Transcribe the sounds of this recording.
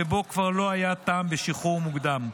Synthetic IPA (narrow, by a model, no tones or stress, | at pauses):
ebo̞kvaʁlo̞ajat̪aːmbeʃiχuʁmuɡd̪am